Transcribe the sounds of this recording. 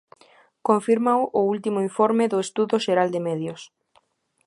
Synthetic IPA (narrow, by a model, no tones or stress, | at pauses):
koɱfiɾmawʔʊult̪imʊiɱfɔɾmɪðʊest̪uðʊʃeɾald̪emɛðjʊs